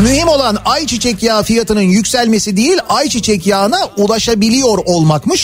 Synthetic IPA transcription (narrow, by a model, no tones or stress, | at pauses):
myhimo̞lˠanajt͡ʃʰit͡ʃʰɛcjaːfijat̪ʰɯnɯnjycsælʲme̞sid̪ejilʲajt͡ʃʰit͡ʃʰɛcjaːnaulˠaʃabilʲijo̞ɾolˠmakmɯʃ